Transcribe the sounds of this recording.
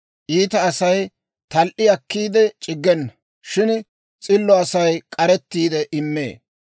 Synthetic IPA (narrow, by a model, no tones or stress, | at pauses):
ʔiːt̪ɐːsɐj | t̪ɐlʔɪɐkːiːd̪ɛt͡ʃʼɪɡːɛnːɐ | ʃɪn | t͡sʼɪlːɔɐsɐjkʼɐɾɛt̪ːiːd̪ɛʔɪmːḛː